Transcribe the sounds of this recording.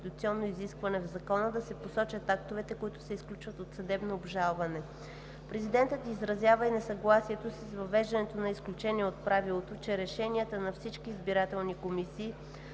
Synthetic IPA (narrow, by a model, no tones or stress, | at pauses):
it̪ut̪siɔnːoiziskvɐnɛvzɐkɔnəd̪ɐsɛposɔt͡ʃət̪akt̪ovɛt̪ɛkoit̪ʊ̥sɛisklʲut͡ʃvət̪ot̪sɐd̪ɛbnoːbʒalˠvɐnɛ | pɾɛzid̪ɛnt̪ət̪izɾɐzjavəinɛsɐɡlˠasiɛt̪osisvɐvɛʒd̪ɐnɛt̪onɐisklʲut͡ʃɛnʲiɛot̪̚pɾavilˠot̪ot͡ʃɛɾɛʃɛniət̪ənɐfsit͡ʃkiːzbiɾat̪ɛlˠnikomisiː